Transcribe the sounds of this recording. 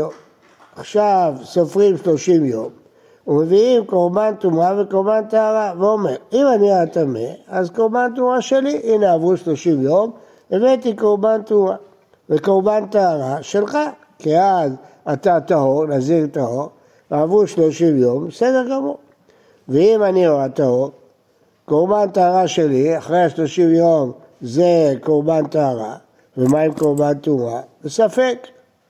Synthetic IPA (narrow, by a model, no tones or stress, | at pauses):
o | aχʃavsofʁimʃlo̞ʃimjo̞m | umeviimkoʁbant̪umavekoʁbantaaʁaveome̞ʁimaniat̪amḛazkoʁbantumaʃe̞liʔineavuʃlo̞ʃimjo̞m | evet̪̬ikoʁbantuma | vekoʁbant̪aaʁaʃelχa | kiaz | at̪at̪aɦo̞ʁnaziʁt̪ahoʁ | avuʃloʃimjo̞mbesedeʁɡamoʁ | veimanioat̪ahoʁ | koʁbant̪aaʁaʃeliaχʁeaʃlo̞ʃimjo̞m | zekoʁbant̪ahaʁa̰ | vemaimkoʁbant̪umabesafek